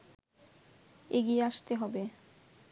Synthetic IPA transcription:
eɡieaʃt̪eɦɔbe

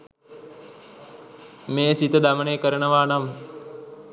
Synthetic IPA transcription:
meːsit̪əd̪aməneːkəɾənəʋaːnam

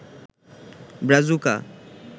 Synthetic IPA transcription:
bɾazuka̰

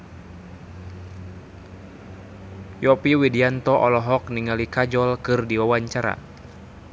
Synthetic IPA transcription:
jɔpiwidiant̪ɔʔɔlɔɦɔk̚niŋalikad͡ʒɔlkɨrdiwawaɲt͡ʃaɾa̰

